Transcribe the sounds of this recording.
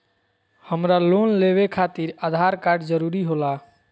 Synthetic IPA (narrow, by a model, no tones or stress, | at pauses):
həmɾalonleβekʰat̪iɾad̪ʱaɾkaɾɖd͡ʒəɾuɾiɦola